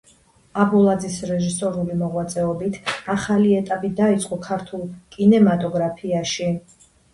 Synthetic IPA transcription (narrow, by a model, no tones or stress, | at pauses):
abulˠad̪zisɾɛʒisɔɾulimɔʁwat̪sʼɛɔbit̪ʰaχaliɛt̪ʼapʼid̪ait̪sʼqʼɔkʰaɾt̪ʰulˠkʼinɛmat̪ʼɔɡɾapʰiaʃi